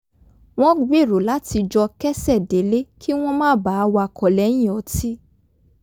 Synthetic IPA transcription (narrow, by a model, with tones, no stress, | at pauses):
w̃ɔ̃˦ɡ͡be˦˨ɾo˨la˨˦ti˧d͡ʒɔ˧kɛ˦sɛ˦˨de˨˦le˦kʰi˦w̃ɔ̃˦mãː˦˨ba˨˦˧wa˧kɔ˨lɛ˨˦j̃ĩ˦˨ɔ˨˦ti˦